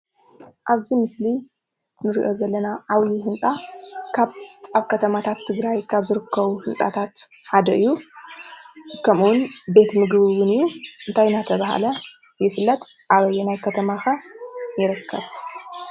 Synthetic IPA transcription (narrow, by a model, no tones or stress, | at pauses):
ʔaβzimɨsli | nɨɾḭʔo̞zɐlːɐnaʕawjiɦɨnsʼakʰaβaβkʰɐt̪ʰɐmat̪ʰat̪ʰːɨɡɾajkʰaβzɨɾɨkːɐβuhɨnt͡sʼa̰t̪ʰat̪ħad̪ɐʔɨjːu | kʰɐmuwnbe̞t̪mɨɡβɨwɨnɨjːuʔɨnt̪ʰajnat̪ʰɐβaha̰lɐ | jɛfɨlːɐt̪ʔaβɐjːɛnajkʰɐt̪ʰɐmaxɐjɪɾɨkʰːɐβ